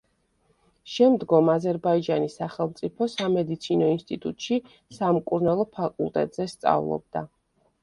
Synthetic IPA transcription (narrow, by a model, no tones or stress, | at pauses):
ʃɛmd̪ɡɔmazɛɾbaid͡ʒanisaχɛlˠmt̪sʼipʰɔsamɛd̪it̪sʰinɔinst̪ʼit̪ʼut̪ʼʃi | samkʼuɾnalˠɔpʰakʼṵlˠt̪ʼɛ̰t̪ʼz̥ɛst̪sʼa̰vlˠɔ̰b̚d̪̥a̰